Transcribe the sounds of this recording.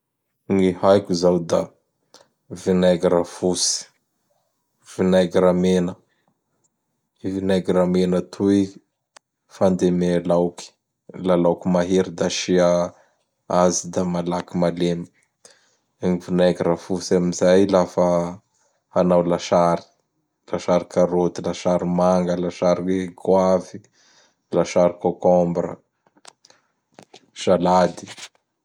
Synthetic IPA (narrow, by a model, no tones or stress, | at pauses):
ŋihajkʲizawd̪a | vinaɡɾafusi̥ | v̥inaɡiɾamenə | vinaɡiɾamenət̪ʰui | fand̪emelawki̥ | lalawkimaɦeɾid̪aʃia | azid̪amalakimalem | eŋivunajkiɾafusamizajlafə | hanawlaʃaɾi̥ | laʃaɾikaɾot̪ilaʃaɾimaŋɡəlaʃaɾiekwavi | laʃaɾikokɔmbɾə̰ | ʒ̥alad̪i̥